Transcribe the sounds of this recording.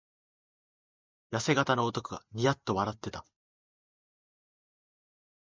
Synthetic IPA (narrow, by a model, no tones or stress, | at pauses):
jase̞ɡat̪ano̞ːt̪o̞kɯ̟ɡaɲ̟ijat̪ːo̞βaɾat̪ːe̞t̪ḁ